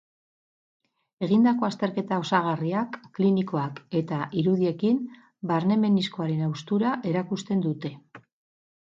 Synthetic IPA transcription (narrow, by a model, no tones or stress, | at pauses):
e̞ɣind̪ako̞ast̪e̞ɾke̞t̪ao̞saɣ̞ariakːliniko̞ake̞t̪aʔiɾuðie̞kim | baɾne̞me̞nisko̞aɾe̞nawst̪uɾaʔe̞ɾakust̪e̞nd̪ut̪e̞